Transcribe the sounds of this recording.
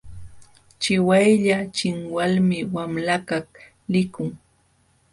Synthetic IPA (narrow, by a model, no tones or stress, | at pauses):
t͡ʃɪwajʎat͡ʃɪŋwalmɪwamlakak | lɪkʊŋ